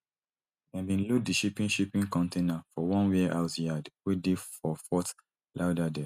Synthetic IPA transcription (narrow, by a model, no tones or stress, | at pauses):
ɛ̃mbĩnluk̚diʃipĩnʃipĩnkɔ̃ntenafɔwɔ̃nwiʔaʊtjadwidifɔfɔt | lʔaʊdadɛ